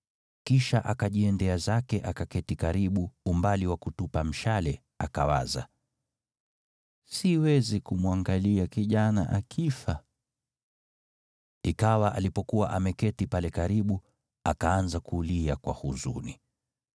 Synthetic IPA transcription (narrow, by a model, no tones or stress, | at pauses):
kiʃaʔakaʄiɛndɛazakɛʔakakɛtikaɾiɓuumbaliwakutupam̩ʃalɛ | akawa̰za̰ | siwɛzikumwaŋɡaliakiʄana̰ʔakʰifa | ikawaʔalipɔkuwa̰ʔamɛkɛtipalɛkaɾiɓu | a̰kaanzakuliakwa̰huzṵni